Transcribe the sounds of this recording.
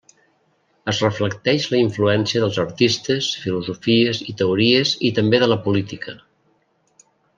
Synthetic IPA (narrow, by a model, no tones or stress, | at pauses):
əzrəfləkt̪ɛʃləiɱfluɛnsiəðəlˠzəɾt̪ist̪əsfiluzufiəzit̪əuɾiəzit̪əmbeðələpulit̪ikə